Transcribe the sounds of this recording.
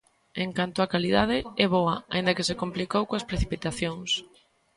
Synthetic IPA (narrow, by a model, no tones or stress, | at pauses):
eŋkant̪ʊakaliðað̞ɪɛβoɐaĩnd̪ɐkesekomplikowkoɐspɾeθipit̪aθjoŋs